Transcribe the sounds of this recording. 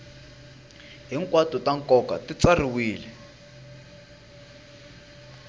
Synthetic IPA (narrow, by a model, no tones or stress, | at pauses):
ɦiŋkwatutaŋkʼɔka̰tit͡sariwiːlɛ